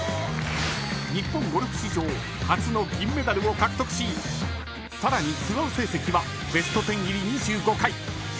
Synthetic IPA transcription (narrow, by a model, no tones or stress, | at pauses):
ɲ̟ipːõ̞ŋɡo̞ɾʲɯkɯ̟̥ɕiʑo̞ː | hat͡sɨno̞ɡʲĩmːe̞d̪aɾɯ̟o̞kakɯ̥t̪o̞kɯ̟̥ɕiː | saɾaɲ̟isɨɡaɯse̞ːse̞kʲiβa | be̞sɨ̥t̪o̞t̪ẽ̞ŋɡʲiɾʲiɲ̟iɕɨːko̞kai